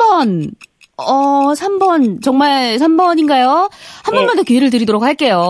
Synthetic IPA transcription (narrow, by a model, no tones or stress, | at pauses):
bʌn | ʌsʰambʌnt͡ɕʌŋmaɭsʰambʌɲinɡajohanbʌnmbʌndokjoeɾɯɭt̬ɯɾidoɾokhaɭk͈e̞jo